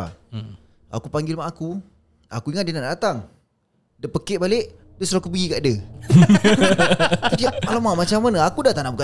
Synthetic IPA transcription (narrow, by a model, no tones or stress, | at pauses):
a̰kupaŋɡɪlmaʔaku | a̰kuiŋat̪̚dənaʔddat̪aŋ | dəpəkeʔbaleʔ | dəsɾoakupəɡikaʔdə | idiaalamamat͡ʃamːanəakudat̪anabuka